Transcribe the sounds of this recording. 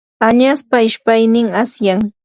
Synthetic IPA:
aɲaspaɪʃpajnɪŋasjaŋ

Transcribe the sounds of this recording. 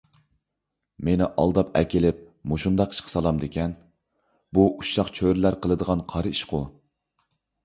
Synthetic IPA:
menɪʔɑ̰lˠd̪ɑpɛ̰kʲelɪp̚ | moʃund̪ɑqi̥ʃqʰə̥sɑlˠɑmd̪ekʲʰɛn | buʔuʃɑqt͡ʃʰøɾɪlæɾqʰəlˠəd̪əʁɑnqʰɑɾɨiʃqʰʊ

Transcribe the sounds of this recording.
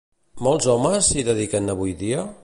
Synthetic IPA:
mɔlˠzɔməziðəðikənəβujðiə

